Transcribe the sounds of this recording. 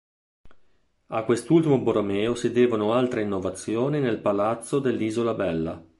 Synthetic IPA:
akwest̪ult̪imoboɾomɛːosid̪eːvonoalt̪ɾeinːovat̪sːjoːninelpalat̪sːod̪elːiːzolabɛlːa̰

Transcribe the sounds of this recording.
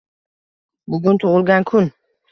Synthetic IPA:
bʊɡʲʊnt̪ʰʊʁɨlˠɡʲankʰʊn

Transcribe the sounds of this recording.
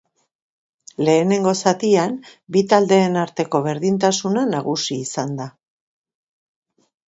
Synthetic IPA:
le̞ːne̞ŋɡo̞sat̪iambit̪ald̪e̞ːnaɾt̪e̞ko̞βe̞ɾðint̪asunanaɣusiːsand̪a

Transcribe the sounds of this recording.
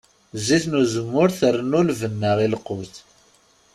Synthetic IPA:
ziθnuzəmːʊɾθərːənːulvənːəʁilqʊθ

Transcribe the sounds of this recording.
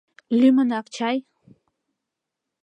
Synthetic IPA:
lɪmanaqt͡ʃaj

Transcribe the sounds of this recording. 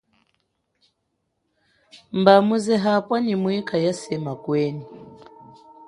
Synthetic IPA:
mbamuzɛɦapwanimwikajasɛmakwɛni

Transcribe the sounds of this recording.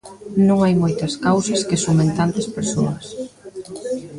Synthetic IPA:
nõŋajmojt̪ɐskawsɐskɪsumẽnt̪ant̪ɐspeɾsoɐs

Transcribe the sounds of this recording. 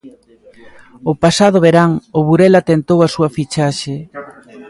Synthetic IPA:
ʊpasað̞ʊβeɾaŋʊβuɾɛlat̪ent̪owasuɐfit͡ʃaʃe

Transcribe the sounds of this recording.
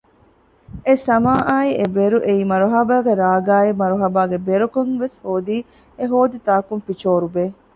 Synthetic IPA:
esɐmaːʔaːiʔebeɾuʔeiːmɐɾuɦɐbaːɡeɾaːɡaːemɐɾuɦɐbaːɡebeɾukoŋʋeshoːd̪iː | eɦoːd̪it̪aːkunfit͡ʃoːɾubeː

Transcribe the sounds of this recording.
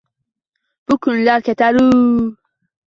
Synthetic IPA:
bukunlaket̪aɾu

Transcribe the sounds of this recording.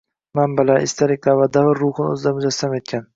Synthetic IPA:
mambalaʔɪst̪ʰaɾɪk̚ʲqavad̪avɪɾːuχɨnɵ̰zɪd̪amʊzast̪amet̪̚kʲʰan

